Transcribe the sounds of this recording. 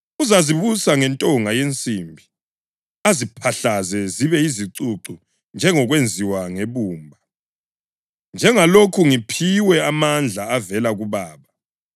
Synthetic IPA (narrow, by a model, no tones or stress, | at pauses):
uzaziβusaŋɛntʼɔŋajent͡sʼiːmbʱi | azipʰaɬazɛziβɛiziǀuǀu | nd͡ʒʱɛŋɔɣwend͡zʱiwaŋeβuːmbʱa | nd͡ʒʱɛŋalokʰuŋipʰiwɛamand͡ɮʱaːvɛlaɣuβaːβa